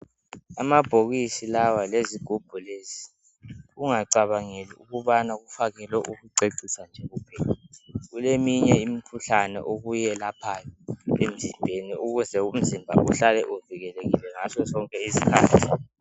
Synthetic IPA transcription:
amab̥ʱoɣisilawaleziɡ̥ʱub̥ʱulezi | ɣuŋaǀaβaŋelḭuɣuβanaɣufaɣɛlwɛʔuɣuǀeǀisand͡ʒʱɛɣupʰɛlaɣulemiɲɛimikʰuɬanɛ̰ʔoɣujɛlapʰajɔḛm̩zimbʱeniuɣuzɛum̩zimbʱa̰ʔuɬalɛʔuviɣɛleɣilɛŋasɔzɔŋkʼɛizikʰa̰ːtʰi̥

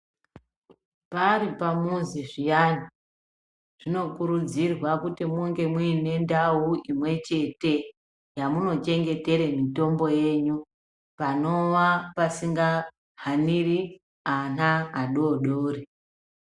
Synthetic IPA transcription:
paɾipamunziʐijanu | ʐ̥ino̞kuɾud͡zirwakutimuŋɡe̞mwuine̞ndauimwe̞t͡ʃe̞te̞ | jamuno̞t͡ʃe̞ŋɡe̞te̞ɾemito̞mbo̞je̞ːɲu | pano̞ʋapasiŋɡa | ɦaniri | anaaɗoɗoːri

